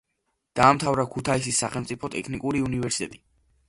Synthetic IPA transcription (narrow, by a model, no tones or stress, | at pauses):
d̪̥aːmt̪ʰavɾakʰut̪ʰais̬isːaχɛlmt̪sʼipʰɔt̪ʼɛkʰnikʼuɾiunivɛɾsit̪ʼɛt̪ʼi